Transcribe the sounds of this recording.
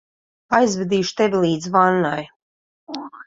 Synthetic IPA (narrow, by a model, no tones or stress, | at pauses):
ajzvɛd̪iːʃt̪ɛvʲlˠiːd̪zvanːaj